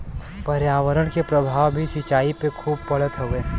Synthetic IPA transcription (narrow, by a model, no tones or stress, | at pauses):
pəɾjaːʋəɾəɽ̃kepɾəbʱaːʋbʱisɪt͡ʃaːipekʰuːb̚pɐɽət̪ɦoʋeː